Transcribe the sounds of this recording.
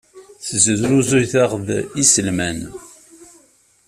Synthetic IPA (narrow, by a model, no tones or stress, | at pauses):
θəzəðɾuzujθaʁðisəlmæn